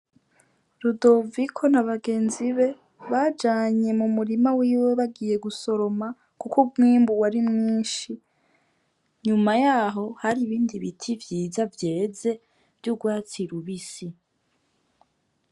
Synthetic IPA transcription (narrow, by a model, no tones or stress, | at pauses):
ɾudo̞vikʰo̞naβaɡe̞ːnziβe̞ | βad͡ʒaːɲe̞mumuɾimawiːwe̞βaɡiːje̞ɡuso̞ɾo̞ma | kukubŋiːmbuwaɾimŋiːnʃi | ɲumajaːɦo̞haɾiβiːndiβitʰivjiːzavje̞ːze̞ | vjuɡwaːt͡siɾuβisi